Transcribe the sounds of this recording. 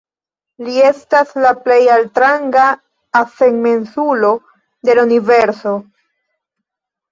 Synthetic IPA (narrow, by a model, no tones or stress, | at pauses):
lie̞staslaple̞jaltɾaŋɡaː | feŋme̞nsulo̞ | de̞launive̞ɾso̞